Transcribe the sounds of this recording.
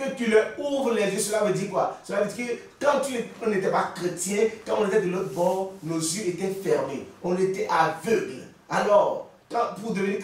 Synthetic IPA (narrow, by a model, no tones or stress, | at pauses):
køt̪ylɛuvlɛzesolawed̪ikwasoladitke | t̪ãt̪yɔ̃netɛpakʁet̪jɛ̃t̪ãõnetɛd̪elobɔnozjøet̪ɛfɛʁmḛɔ̃net̪ɛʔavøɡl | alɔʁ | tãpud̪one